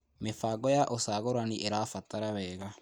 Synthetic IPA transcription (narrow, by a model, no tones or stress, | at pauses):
mefaːɡɔjaʔosaːɣoɾaniʔeɾafataɾaβɛːɣa